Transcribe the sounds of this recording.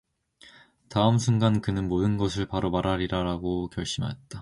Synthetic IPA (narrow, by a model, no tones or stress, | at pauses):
taɯmsʰunɡankɯnɯnmodɯnɡʌsʰɯɭpaɾomaɾaɾiɾaɾaɡokjʌɭɕ͈imɦa̰ɦet̚t͈a